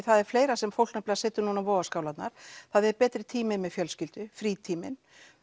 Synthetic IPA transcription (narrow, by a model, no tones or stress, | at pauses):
θaðɛɾ̥fleːjɾasɛmfowlknɛhplɣasɛːt̪ʏnuːnavɔːɣaskaːwlat̪naɾ̥θaðɛɾpɛːt̪ɾɪt̪ʰiːmɪðmɛðfjœlscɪlt̪ʏfɾiːt̪ʰiːmɪn